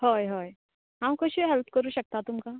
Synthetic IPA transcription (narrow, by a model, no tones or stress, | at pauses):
hojɦoj | ɦãwkəɕiɦɛlp̚ʰkəɾuːɕək̚t̪at̪umka